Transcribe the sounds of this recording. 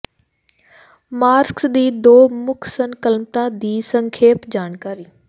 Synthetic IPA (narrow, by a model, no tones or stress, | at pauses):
maːɾksd̪iːd̪oːmʊksənkəlmt̪ãd̪iːsə̃ŋkʰeːpd͡ʑaːnkaːɾiː